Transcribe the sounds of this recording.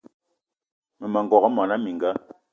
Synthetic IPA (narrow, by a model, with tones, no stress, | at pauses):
mə˨ma˨ŋɡɔ˨kɔ˦mɔ˨na˦mi˨ŋɡa˦